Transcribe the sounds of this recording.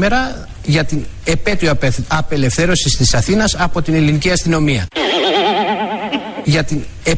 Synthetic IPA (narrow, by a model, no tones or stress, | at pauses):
me̞ɾɐ | ʝɐt̪ine̞pe̞t̪ioɐpe̞le̞fθe̞ɾo̞sist̪isɐθinɐsɐpo̞t̪ineliniciɐst̪ino̞miɐ̰ | ʝɐt̪in | e